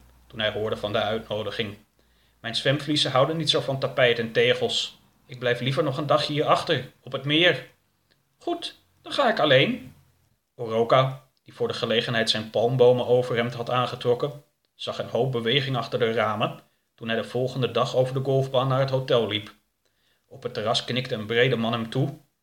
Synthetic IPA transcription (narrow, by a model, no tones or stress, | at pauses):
tunɦɛjɦʊːɹdəvɑndəœɥtnowdəχɪŋ | mɛjnsʋɛmflisəɦɑwdənːitsowvɑntapɛjtɛntejχəlˠs | ɪɡ̚blɛjflivəɹnɔχəndɑχɦiːɹɑχtəɹɔpɦətmɪːɹ | χut | dɑnχaːɪkɑlejn | orowka | d̥ivʊːɹdəχəlejχənɦɛjtsɛjnpɑlˠmbowməʔowvəɹɦɛmtɦɑtaːnχətrɔkən | z̥ɑχənɦowp̚bəʋejχɪŋɑχtəɹdəraːmə | tunɦɛjdəv̥ɔlˠχəndədɑχowvəɹdəɡɔlˠvbaːnːaːɹɦətɦotɛlˠlip | ɔpɦətːərɑsknɪktəənbrejdəmɑnɦɛmtu